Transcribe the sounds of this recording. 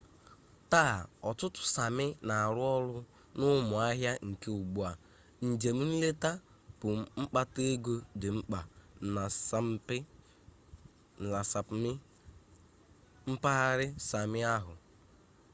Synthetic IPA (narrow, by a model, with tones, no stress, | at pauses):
ta˦˨ɔ˨tʊ˦tʊ̥˨sa˨mɪ˦na˨ɾʊ˦ɔ˦lʊ˦ | nʊ˦mʊ˨a˦ɦja˦ŋ̩˨ke˦u˨ɡ͡bu˦˨a˨ | n̩˨d͡ʒe˨m̩˦n̩˦le˦ta˦ | pʊ˨ŋ͡m̩˦k͡pa˦te˦e˦ɡo˦dɪ˨ŋ͡m̩˦k͡pa˨a˨˦ɪ˦ | n̩˨la˨sa˨pmɪ˦ | m̩˦pa˦a˦ɾɪ˦sa˨mɪ˦a˦ɦʊ˨